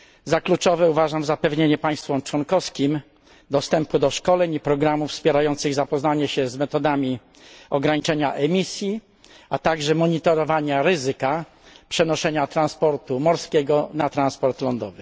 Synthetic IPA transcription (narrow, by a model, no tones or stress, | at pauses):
zaklut͡ʂɔvɛuvaʐamzapɛvɲeɲɛpaj̃st̪fɔmt͡ʂwɔnkɔfskʲim | d̪ɔst̪ɛmpud̪ɔʂkɔlɛɲipɾɔɡɾamufspʲjɛɾajɔnt̪sɘɣzapɔznaɲɛɕɛzmɛt̪ɔd̪amʲi | ɔɡɾaɲit͡ʂɛɲaʔɛmʲisʲji | at̪aɡʐɛmɔɲit̪ɔɾɔvaɲaɾɘzɘka | pʂɛnɔʂɛɲat̪ɾanspɔɾt̪umɔɾskʲɛɡɔnat̪ɾanspɔɾt̪lɔnd̪ɔvɘ